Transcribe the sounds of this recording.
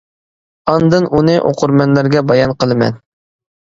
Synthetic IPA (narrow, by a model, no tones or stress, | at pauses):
ɑnd̪ɨnʔunɨʔo̰qʰʊɾmɛnlæɾɡʲɛbɑjɑnqəlˠɨmɛ̰n